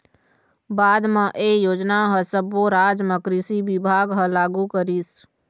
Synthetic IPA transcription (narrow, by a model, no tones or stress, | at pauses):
baːd̪mẽʔejoːd͡ʒnaɦəsəbʋoɾaːd͡ʒmə̃kɾisibɪbʱaːɡɦəlaːɡukəɾiːs